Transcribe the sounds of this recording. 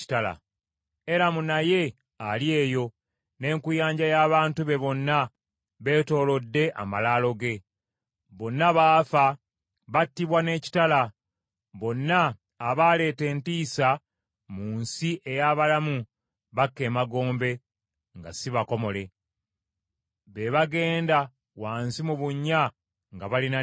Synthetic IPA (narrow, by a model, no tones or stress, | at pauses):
i̥tala̰ | e̞ɾamunaje̞ | alje̞ːjo̞ | ne̞ːŋkujaːɲɟajaːβaːntuβe̞βo̞nːa | βe̞ːto̞ːlo̞dːe̞ʔa̰malaːlo̞ɡe̞ | βo̞nːaβaːfa | βatːiβwane̞ːci̥tala | βo̞nːaː | βaːle̞ːte̞ːntiːsa | muːnsiʔe̞jaːβalamu | βakːe̞ːmaɡo̞ːmbe̞ | ŋɡa̰siβako̞mo̞le̞ | βe̞βaɡe̞ːnda | waːnsimuβuɲːa | ŋɡaβalina